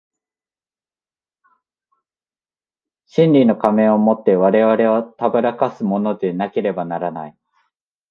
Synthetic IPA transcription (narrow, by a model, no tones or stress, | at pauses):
ɕĩnɾʲino̞kamẽ̞o̞mo̞t̪ːe̞βaɾe̞βaɾe̞βat̪abɯɾakasɨmo̞no̞d̪e̞nake̞ɾe̞banaɾana̰i